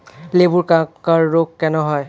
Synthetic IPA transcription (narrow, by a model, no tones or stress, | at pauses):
lebuɹkãkaɹːoɡkɛnɔɦɔj